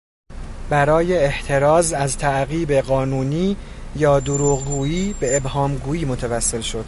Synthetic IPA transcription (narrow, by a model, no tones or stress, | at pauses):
bæɾɒːje̞ːht̪ʰe̞ɾɒːzæzt̪ʰæʔɣiːbe̞ɣɒːnuːniː | jɒːd̪oɾuːɣɡuːiːbe̞ebhɒːmɡuːjiːmo̞t̪ʰævæsːe̞lʃo̞d̪̥